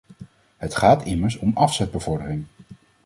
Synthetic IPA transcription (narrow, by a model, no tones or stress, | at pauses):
ɦətχaːtɪməɹs̬ɔmɑfsɛd̚bəvɔɹdərɪŋ